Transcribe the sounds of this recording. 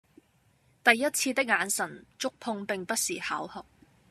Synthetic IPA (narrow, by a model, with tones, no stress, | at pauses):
t̪ɐ˨jːɐ˥t̚t͡sʰiː˧t̪ɪ˥k̚ŋaː˨˧˥nsɐ˨˩nt͡ʃʊ˥k̚pʰʊ˧ŋpɪ˨ŋpɐ˥t̚siː˨˩haː˨˥whɔ˨k̚